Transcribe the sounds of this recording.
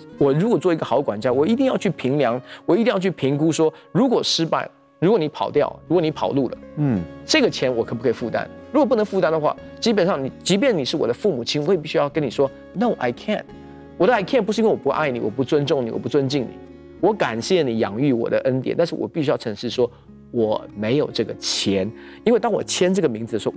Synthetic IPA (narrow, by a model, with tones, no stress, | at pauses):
wɔ˨˩ɻu˧˥kwɔ˨˩t͡swɔ˥˩i˧˥ɡə˧xɑ˧˥ʊkwa˨˩nt͡ɕja˥wɔ˨˩i˧˥t̪̬i˥˧ŋjɑ˥˧ʊt͡ɕʰy˥˩pʰi˧˥ŋljɑ˧˥ŋwɔ˨˩i˧˥t̪i˥˧jɑ˥˧ʊt͡ɕʰy˥˩pʰi˧˥ŋk̬u˥ʂwɔ˥ | ɻu˧˥kwɔ˨˩ʂɻ̩˥pa̰˥˩ɪ | ɻu˧˥kwɔ˧˩ni˧˥pʰɑ˨˩ʊt̪jɑ˥˩ʊɻu˥kwɔ˧˩ni˧˥pʰɑ˨˩ʊlu˥˩lə̰˨˩ʈ͡ʂɤ˥˩ɡə˩t͡ɕʰjɛ˧˥nwɔ˨˩kʰpu˥kʰi˨˩fu˥˩t̪a̰˥nɻu˥kwpu˥˩nə˧˥ŋfu˥˩t̪a˥nd̪ə˨xwa̰˥˩t͡ɕi˥p̬ə˨nʂɑ˥˩ŋni˨˩t͡ɕi˧˥p̬jɛ˥˩ni˨˩ʂɻ̩˥˩wɔ̰˨˩d̪ə˦fu˥˩mu˨˩t͡ɕʰi˥nwɔ˧˥wpi˥˩ɕy˥jɑ˥˩ʊkə˥ni˨˩ʂwɔ˥ | no˥˩ʊʔa̰˧ɪkʰɛ̰˥˨n | wɔ˨˩d̪ə˦a˧˩ɪkʰɛ˥˩npu˧˥ʂɻ̩˥˧˥wwɔ˨pu˧˦ʔa̰˥˩ɪni˨˩wɔ̰˨˩p̬u˧˥t͡swə˥nʈ͡ʂʊ˥˩ŋni˨˩wɔ̰˨˩pu˧˥t͡swə˦˥nt͡ɕi˥˩ŋnḭ˨˩˦ | wɔ˧˦ka˨˩nɕjɛ˥˩ni˨˩jɑ̰˧˥ŋy˥˩wɔ̰˨˩d̪ə˦ʔə˦˥nt̪̬jɛ̰˨˦nt̪a˥˧nʂɻ̩˥˩wɔ̰˨˩pi˥˩ɕy˥jɑ˥˩ʊʈ͡ʂʰɤ˧˥ŋʂɻ̩˥˩ʂwɔ˥ | wɔ˨˩me˧˥ɪjo˨˩ʊʈ͡ʂɤ˥˩ɡə˩t͡ɕʰjɛ˧˥n | i˥nwe˥˩ɪt̪ɑ˥ŋwɔ˨˩t͡ɕʰjɛ˥nʈ͡ʂɤ˥˩ɡə˩mi˧˥ŋt͡sd͡zɨ˨˧ə˩ʂ